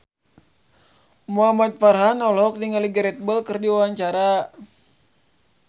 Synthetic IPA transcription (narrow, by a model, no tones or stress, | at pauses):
muɦamat̪̚farɦanɔlɔk̚diŋaliɡəɾɛt̪̚bəlkɨrdiwawaɲt͡ʃaɾa